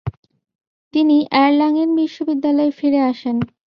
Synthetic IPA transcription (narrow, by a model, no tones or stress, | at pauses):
t̪iniʔɛɾlaŋenbiʃːobid̪ːalɔefiɾeaʃen